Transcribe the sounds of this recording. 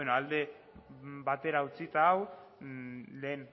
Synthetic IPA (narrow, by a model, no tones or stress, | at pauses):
enoald̪e̞ | bat̪e̞ɾaut͡sit̪aːw | le̞ːn